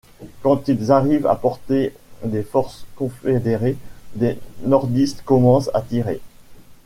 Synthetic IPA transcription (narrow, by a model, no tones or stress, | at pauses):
kɑ̃t̪ilzaʁiva̰pɔʁt̪ed̪efɔʁskɔ̃fed̪eʁed̪enɔʁd̪ist̪kɔmɑ̃sa̰t̪iʁḛ